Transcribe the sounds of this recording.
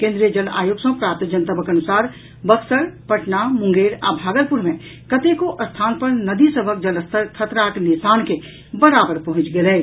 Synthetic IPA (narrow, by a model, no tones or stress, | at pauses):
kẽnd̪ɾijəd͡ʒəla̰ːjoːɡsɐ̃pɾaːpt̪d͡ʒənt̪əbʱəkɐnʊsaːɾ | bəksəɾpəʈnamʊ̃ŋɡeːɾa̰ːbʱaːɡəɾpuɾmẽ | kət̪ekoʔɐst̪ʰaːnpəɾnəd̪isəbʱək̚d͡ʒɐləst̪ʰt̪ʰət̪ɾaːknɪsaːnke | bəɾaːbəɾpɐɦʊ̃t͡ʃɡelɛː